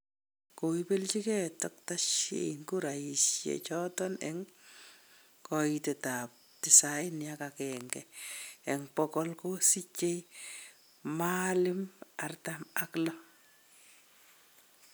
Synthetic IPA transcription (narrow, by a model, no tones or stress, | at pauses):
koipelt͡ʃikɛtɔk̚taʃḛŋkuɾaisjḛt͡ʃɔtɔnɛ̰ŋ | kɔitetap̚ | tɪsaɪnjakakɛŋɡɛ̰ɛŋpɔkɔlkosit͡ʃej | malɪmartamaklɔ